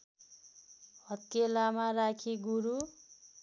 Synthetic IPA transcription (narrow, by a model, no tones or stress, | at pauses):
hʌt̪elamarakʰiɡuɾu